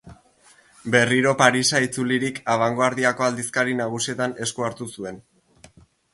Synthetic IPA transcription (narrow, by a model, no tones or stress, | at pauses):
be̞riɾo̞paɾisait͡suliɾikaβ̞aŋɡoaɾðiako̞ald̪iskaɾinaɣ̞usie̞t̪ane̞skuaɾt̪usue̞n